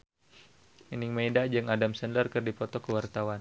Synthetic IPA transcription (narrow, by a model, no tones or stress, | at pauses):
iniŋmaidad͡ʒɨŋadamsɛnlərkɨrdipɔt̪ɔkəwart̪awan